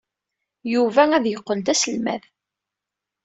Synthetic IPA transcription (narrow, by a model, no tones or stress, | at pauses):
juvææðjəqːənd̪æsəlmæ̰ð